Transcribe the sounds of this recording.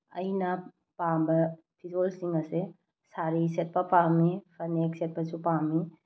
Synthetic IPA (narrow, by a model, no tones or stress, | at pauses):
ɐ̰jnɐ | pambɐ | pʰizolsiŋɐse | saɾiset̚pɐpamipʰɐnek̚set̚pɐsupami